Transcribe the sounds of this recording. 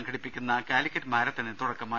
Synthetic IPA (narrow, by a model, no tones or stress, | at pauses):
ŋɡʰɐɽipːikʲːunːɐkaːlikʲːɐtmaːɾɐt̪ːinet̪uɽɐkːɐmaː